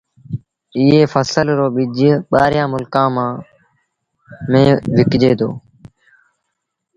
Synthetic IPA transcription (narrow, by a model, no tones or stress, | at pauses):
ɪːɦeːfʰəsəlɾoːɓɪd͡ʒɓaːɾjãːmʊlkãːmãː | mẽːʋɪkd͡ʒeːd̪o̰ː